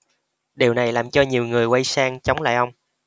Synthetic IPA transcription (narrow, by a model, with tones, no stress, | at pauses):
ɗi˨˩wna˨˩jlaː˨˩mt͡ɕɔ˧ɲi˨˩əwŋɨ˨˩əjwa˧jsaː˧ŋt͡ɕə˨˦wŋ͡mla̰ː˧˨jʔə˧wŋ͡m